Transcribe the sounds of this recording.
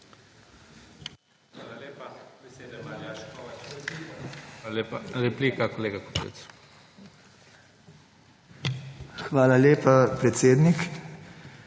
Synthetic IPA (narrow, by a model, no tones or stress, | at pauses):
alalepabed̪jaʃkɔ | epaɾɛpliːkakoleːɡako̥pḛt̪s | xʋaːlaleːpapɾɛt̪seːd̪nik